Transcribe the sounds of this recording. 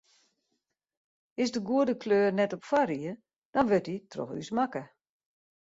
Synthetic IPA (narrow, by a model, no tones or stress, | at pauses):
ɪsdəɡuədəkløːrnɛtɔpfaɾiə | d̥ɔnʋøtitrɔ̰xy̰smakə